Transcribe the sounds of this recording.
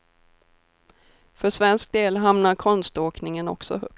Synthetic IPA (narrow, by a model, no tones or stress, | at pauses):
fœʂvɛnsk̚d̪eːlɦamnaɾkʰɔnst̪oːknɪŋənɔ̰ksɔ̰ɦɵ̰k̪̚